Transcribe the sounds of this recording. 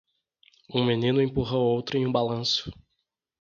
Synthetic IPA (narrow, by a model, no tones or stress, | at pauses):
ũminĩnʊẽpuɦɐowt̪ɾʊẽj̃ũbalɐ̃sʊ̥